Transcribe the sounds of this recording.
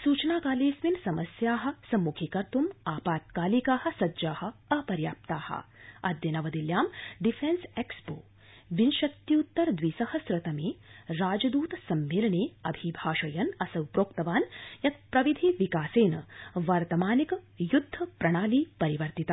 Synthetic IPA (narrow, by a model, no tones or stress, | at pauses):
suːt͡ʃɐnaːkaːliːsʋinsɐmɐsjaːɦɐ̆sɐmːukʰikɐɾt̪umaːpaːt̪̚kaːlikaːhɐ̆sɐd͡ʒaːhɐ̆ɐpɐɾjaːp̚t̪aːhɐ̰ɐ̰d̪jɐnɐʋɐd̪iljaːmɖifʰensekspo̰ː | ʋinʃɐt̪juːt̪ːɐɾd̪ʋisɐhɐsɾɐt̪ɐmeːɾaːd͡ʒɐd̪uːt̪ɐsɐmːeːlɐɳeːɐbʱibʱaːʃɐjɐnɐsɐʋpɾoːkt̪ɐʋaːnjɐt̪̚pɾɐʋid̪ʱiʋikaːseːnɐʋɐɾt̪ɐmaːnik | jud̪ʱːɐpɾɐɳ̃aːliːpɐɾiʋɐɾt̪it̪a